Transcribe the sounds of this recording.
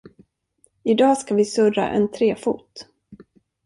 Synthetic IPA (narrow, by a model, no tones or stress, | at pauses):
ɪd̪ɑːskavɪsɵɾa̰ʔɛ̰nt̪ʰɾeːfṵːt̪